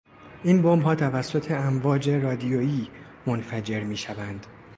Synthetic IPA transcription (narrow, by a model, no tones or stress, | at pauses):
ʔiːnbombɦɒːt̪ʰævæsːot̪ʰe̞æmvɒːd͡ʒe̞rɒːd̪ijojiː | monfæd͡ʒe̞ɾmiːʃævænd̪̥